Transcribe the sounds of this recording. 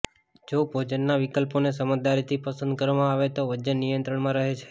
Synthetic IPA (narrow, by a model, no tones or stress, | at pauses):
d͡ʒobʱod͡ʒənːaʋɪkəlpones̬əməd͡ʒ̚d̪aɾit̪ʰipəsə̃nd̪̚kəɾʋamãaʋet̪oʋəd͡ʒənːijənt̪ɾəɳmãɾəɦet͡ʃʰe̥